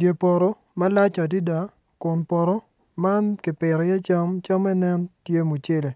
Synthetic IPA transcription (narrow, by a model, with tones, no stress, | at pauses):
dje˨pɔ˨ɾɔ˦ | ma˦la˦t͡ʃa˨di˦da˨ | kʊ˨npɔ˨ɾɔ˦ | ma˦nkɪ˨pɪ˨ɾɔ˨jɛ˦t͡ʃa˦mt͡ʃa˦mɛ˦nɛ˦ntje˦mu˨t͡ʃɪ˦le˨